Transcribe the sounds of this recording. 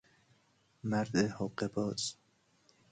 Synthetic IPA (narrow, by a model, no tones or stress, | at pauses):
mæɾd̪ehoqːebɒːz̥